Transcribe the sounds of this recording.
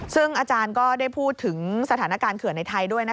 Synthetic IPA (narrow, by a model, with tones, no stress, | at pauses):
sɯ˥˩ŋʔaː˧t͡ɕaː˧nkɔː˥˩da˥˩jpʰuː˥˩t̪ʰːɯ˩˦ŋsa˧t̪ʰaː˩˦na˦˥kaː˧nkʰɯ˨˩əna˧jt̪ʰa˧jdu˥˩əjna˦˥